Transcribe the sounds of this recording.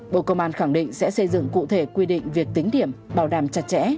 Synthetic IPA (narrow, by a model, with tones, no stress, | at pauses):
ɓo̰˧˨kə˧wŋ͡mʔaː˧nxa˧˩ŋɗḭ̈˧˨ŋ̟sɛ̰˧˥sə˧jzɨ̰˧˨ŋkṵ˧˨t̪ʰe˧˩kwi˧ɗḭ̈˧˨ŋ̟vi˨˩ək̚t̪ï˨˦ŋ̟ɗi˧˩əmɓaː˧˩wɗaː˨˩mt͡ɕa˨˩t̚t͡ɕɛ̰˧˥